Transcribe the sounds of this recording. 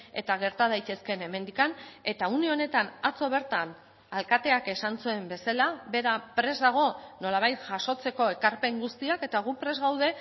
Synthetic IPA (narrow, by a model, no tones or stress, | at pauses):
e̞̰t̪aɣ̞e̞ɾt̪að̞ajt̪e̞ske̞ne̞me̞nd̪ikane̞t̪aunio̞ne̞t̪anat͡so̞β̞e̞ɾt̪an | alkat̪e̞ake̞sant͡sue̞mbe̞salaβe̞ɾapɾe̞zd̪aɣ̞o̞no̞laβ̞ajt̪ʝaso̞t͡se̞ko̞e̞kaɾpe̞ŋɡust̪iake̞t̪aɣ̞upɾe̞zɣawðe̞